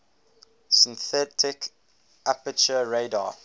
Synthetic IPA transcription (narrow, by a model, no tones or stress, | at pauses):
sɪ̃nθɛtʰɪk | ʔapət͡ʃəɹeɪda